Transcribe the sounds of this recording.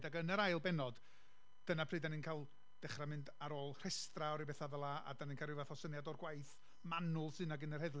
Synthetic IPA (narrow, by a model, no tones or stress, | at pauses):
daɡənəɾajlˠbɛnɔd | d̥ənapʰrɨːdaninkʰaːlˠ | d̥ɛχramɪndaɾoːlˠr̥ɛstraɔɾibɛθaðəlˠaa̰daninkʰarɪvaθɔsənjadɔrɡwajθ | manʊlˠsɨnaɡɪnərhɛðlˠ